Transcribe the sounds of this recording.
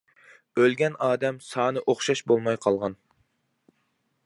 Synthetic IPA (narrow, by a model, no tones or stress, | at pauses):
ølɡʲɛnɑːd̪ɛmsɑːnɨʔoχʃɑʃbolˠmɑjqʰɑlˠʁɑn